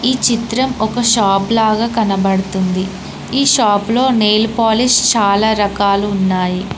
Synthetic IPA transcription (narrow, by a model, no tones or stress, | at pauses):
iːt͡ʃit̪ɾɐmɔkɐʃaːplaːɡaːkɐnɐbɐɽɐt̪und̪i | iːʃaːplo̞ːneːlpaːlist͡ʃaːlaːɾɐkaːluːnːaːji